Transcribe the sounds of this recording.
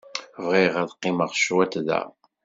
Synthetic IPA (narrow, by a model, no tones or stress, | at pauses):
vʁiʁæðqːɪməʁʃwæt̪ðæ̰